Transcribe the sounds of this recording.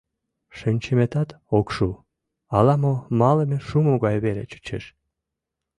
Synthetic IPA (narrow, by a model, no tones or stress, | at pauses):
ʃənʲt͡ɕemet̪ɑt̪ | okʃu | ɑlɑmomɑləmeʃumoɣɑjβelḛt͡ɕə̥t͡ɕḛʃ